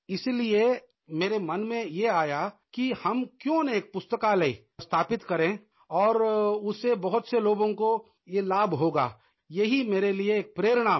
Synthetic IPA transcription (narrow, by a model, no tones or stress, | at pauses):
ɪslie | meːɾemɐnmẽjeaːjakihɐmkjõːneeːk̚pʊst̪əkalei | st̪ʰaːpɪt̪kɐɾẽ | ɔːɾʊsebɐɦʊt̪seloːɡõko | jelaːbɦoːɡa̰ː | jɐɦimeːɾelieːk̚pɾeːɾɽ̃aː